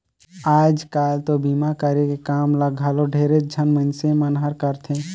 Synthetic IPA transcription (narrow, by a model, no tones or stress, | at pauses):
aːd͡ʒkaːlt̪obimakəɾekekaːmləɡʱaːloɖʱeːɾed͡ʒʱənmənsemənɦəɾkəɾt̪ʰẽ